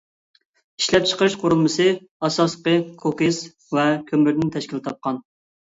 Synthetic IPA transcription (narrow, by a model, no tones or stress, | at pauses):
i̥ʃlɛp̚t͡ʃʰə̥qʰəɾɨʃqʰoɾulˠmɨsɨ | ɑsɑsqəkʰokes | vɛkʲʰømɪɾd̪ɪnt̪ʰɛʃkʲilt̪ʰɑp̚qɑn